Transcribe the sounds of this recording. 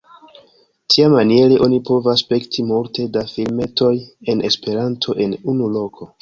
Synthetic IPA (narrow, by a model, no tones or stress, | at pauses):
tʰiamanie̞ɾeʔo̞nipo̞vaspe̞ktʰimulte̞dafilme̞tʰo̞je̞ne̞spe̞ɾantʰo̞ʔe̞nunulo̞kʰo̞